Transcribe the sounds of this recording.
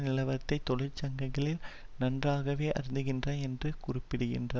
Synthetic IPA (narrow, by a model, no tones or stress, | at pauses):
nɪlɐʋɐɾt̪ːɐɪt̪ːɔlɪɾt͡ʃɐŋɡɐŋɡɐɭɪl | nɐndraːɣɐʋeːʔɐɾɯnd̪ɯɣɪndrɐɛndrɯkʊrɪpːɪɽɯɣɪ̰ndrɐ